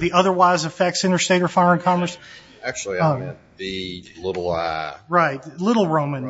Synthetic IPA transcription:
ðiʔʌðə˞waɪzɨfɛk̚tsɪ̃ñə˞steɪɾə˞fɑɹɨ̃nkʰɑ̃mə˞s | æk̚t͡ʃul̩ˠim̃n | ðilɪɾl̩ˠʌ̰ɹaɪt̚lɪɾl̩ˠɹõʊ̃mɨ̃n

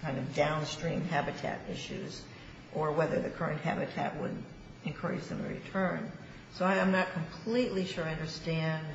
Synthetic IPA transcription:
kʰãɪ̃ndʌvdãʊ̃nstɹ̥ĩmhæbɨtʰæ̰ɾɪʃʉz | ʔə˞wɛðə˞ðɨkʰɜ˞ɨ̃nt̚hæ̰bɨtʰæ̰ʔ̚wə̰d | ɨ̃nkʰɜ˞ɨ̰d͡ʒðɨ̃mɨ̰ɹḭtʰɜ̃˞n | soʊãɪãɪ̃mnət̚kʰə̃m̩pʰl̥iʔˡliʃʊɹʌ̃ndə˞stæ̃nd

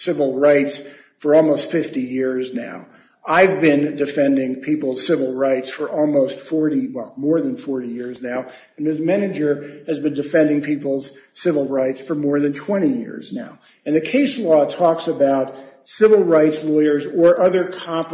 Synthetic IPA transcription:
sɪvl̩ˠɹaɪts | fə˞ɔlˠmoʊstfɪftijɪɹzna̰ʊ | aɪvbɪ̃ndɨfɛ̃ndɪ̃ŋpʰipl̩ˠz̥sɪvl̩ˠɹaɪtsfə˞ʔɔlˠmoʊstfɔɹɾiwɛlˠmɔɹðɨ̃nfɔɹɾijɪɹznaʊ | ɨ̃n̩mɨsmænɨd͡ʒə˞ɨzbɨ̃ndɨfɛ̃ndɪ̃ŋpʰipl̩ˠz̥sɪvl̩ˠɹaɪtsfə˞mɔɹðɨ̃ntʰw̥ɛ̃ɾ̃ijɪ̰ɹznaʊ | ɨ̃nðɨkʰeɪslɔtʰɔksəbaʊt̚sɪvl̩ˠɹaɪtslɔɪə˞zə˞ʔʌðə˞kʰɑ̃mp

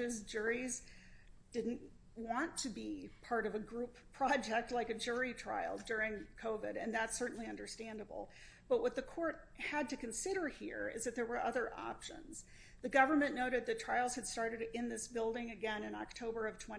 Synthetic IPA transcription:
ʌzd͡ʒʊɹiz | d̥ɪdⁿn̩ʔ | wɑ̃ntʰɨbipʰɑɹɾʌvɨɡɹupʰɹ̥ɑd͡ʒɛk̚tˡlaɪkɨd͡ʒʊɹitʰɹ̥a̰ɪl̩ˠdʊɹɪ̃ŋkʰoʊvɪ̰ɾɨ̃nðætsɜ˞ʔn̩liʌ̃ndə˞stæ̃ndəbl̩ˠ | b̥ʌt̚wʌt̪̚ðɨkʰɔɹt̚ | hɨd̚tɨkɨ̃n̩sɪɾə˞hḭɹɪ̰zðɨt̪̚ðə˞wə˞ʔʌðə˞ʔɑ̰pʃə̰̃nz̥ | ðɨɡʌvə˞mɨ̃nnːoʊɾɨd̪̚ðɨtʰɹ̥aɪlˠz̥ɨd̥stɑɹɾɨɾɪ̃nðɪsb̥ɪlˠdɪ̃ŋɨɡɛ̃nɨ̃nɑ̰k̚tʰoʊbə˞ʌv̥tʰw̥ɛ̃

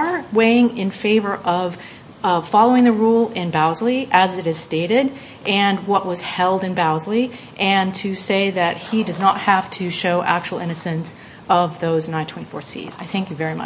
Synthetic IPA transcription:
weɪɪ̃ŋɪ̃nfeɪvə˞ʔʌv̥ | fɑlˠoʊɪ̃ŋðɨɹulˠɪ̃nbaʊzliʔɨzɨɾɨz̥steɪɾɪɾ | ʔɨ̃nwʌʔ̚wʌz̥hɛlˠdɨ̃nbaʊzli | ʔɨ̃ntʰɨseɪðɨt̚hidʌznət̚hæftʰɨʃoʊʔæk̚t͡ʃul̩ˠɪ̃ñɨsɨ̃ns | ʌvðoʊznãɪ̃ntʰwɛ̃ifɔ̰ɹsḭz̥aɪθæ̃ŋkjɨvɛɹimʌ̰

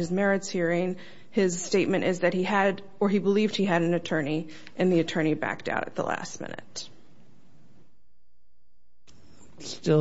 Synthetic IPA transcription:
ɨzmɛɹɨtshiɹɪ̃ŋ | ɪz̥steɪt̚mɨ̃ñʔɪzðɨt̚hiɨɾ | ə˞ibəlivd̚hiɨɾɨ̃n̩ɨtʰɜ̃˞ni | ʔɨ̃nðiɨtʰɜ̃˞ɾ̃ibæ̰k̚ta̰ʊɾɨ̰t̪̚ðə̰læ̰st̚mɪ̰̃nɨ̰t̚ | stɪ

